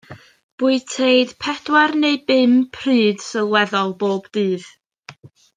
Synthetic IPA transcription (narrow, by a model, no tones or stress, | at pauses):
b̥ʊɨtʰejd̥pʰɛdwarneɨbɪmpʰr̥iːd̥səlˠwɛðɔlˠboːbd̥ɨːð̥